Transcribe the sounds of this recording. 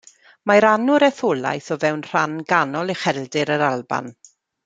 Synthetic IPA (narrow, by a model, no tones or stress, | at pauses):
maɾanʊɾɛθʊlˠa̰jθɔvɛwnr̥anɡanɔlˠiχɛlˠdɪɾəɾalˠba̰n